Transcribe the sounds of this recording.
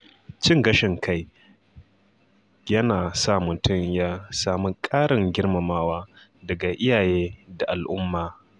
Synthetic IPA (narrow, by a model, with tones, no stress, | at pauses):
t͡ʃɪ˦ŋɡɐ˦ʃɪ˨ŋkʰa˦˨j | jɐ˦naː˨sa˦˨mʊ˨tʊ˦˨mjaː˦saː˨mi˦kʼaː˦ɽɪ˨ŋɡʲɪ˦rmɐ˨maː˦waː˦ | dɐ˨ɡa˨ʔɪ˦jaː˨jeː˦da˨ʔa˨lʔʊ˦mːaː˨